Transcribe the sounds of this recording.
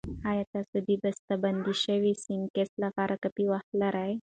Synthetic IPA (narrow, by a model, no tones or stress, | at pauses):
hajat̪asud̪ʱibəst̪əbənd̪iɕəʋisiŋkeslafaɾəkəp̪iʋatlaɾaj